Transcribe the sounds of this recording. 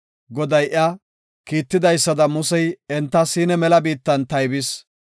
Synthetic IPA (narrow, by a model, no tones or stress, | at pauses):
ɡɔd̪ɐjʔɪa | kiːt̪ːɪd̪ɐjsːɐd̪ɐmʊsɛjɛnt̪ːɐsiːnɛmɛlɐbiːt̪ːɐnt̪ɐjbɪs